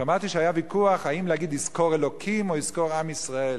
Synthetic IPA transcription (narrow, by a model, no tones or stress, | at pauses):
ʃamaʁt̪iʃeajavikuaχaimlehaɡid̪izkoʁelokʰimoizkoʁamisʁael